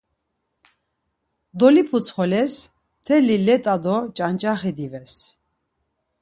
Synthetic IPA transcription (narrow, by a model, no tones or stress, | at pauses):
d̪ɔlipʰut͡sʰχɔlɛs | t̪ʰɛlilɛt̪ʼad̪ɔt͡ʃʼant͡ʃʼaχɛd̪ivɛs